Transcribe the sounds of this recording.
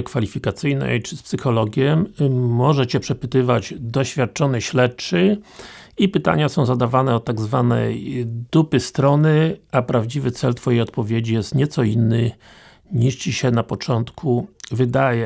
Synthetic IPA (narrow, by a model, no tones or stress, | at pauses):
kfalʲifʲikat̪sɘjnɛ̰jt͡ʂɘspsɘxɔlɔɡʲjɛmɔʐɛt͡ɕɛpʂɛpɘt̪ɘvad͡ʑd̪ɔɕfʲjat̪̚t͡ʂɔnɛɕlɛtt͡ʂɘ | ipɘt̪a̰ɲasɔ̃w̃zad̪avanɛɔt̪aɡzvanɛ̰jd̪̥upɘst̪ɾɔnɘapɾavd͡ʑivɘt̪sɛlt̪fɔjejɔt̪̚pɔvʲjed͡ʑijɛst̪ɲɛt̪sɔinːɘ | ɲiʂt͡ɕiɕɛnapɔt͡ʂɔnt̪kʰuvɘd̪ajɛ